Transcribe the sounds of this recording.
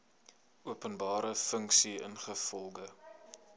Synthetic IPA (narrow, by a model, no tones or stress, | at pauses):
ʔuəpənbɑːɾəfəŋksiə̰nχəfɔlˠɡə